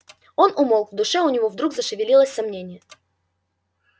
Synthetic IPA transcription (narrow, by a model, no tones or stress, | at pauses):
o̞nʔʊmolˠvd̪ʊʂɛʊnʲɪvovd̪ɾukzəʂɨvʲɪlʲilˠəsʲsɐmnʲenʲɪjə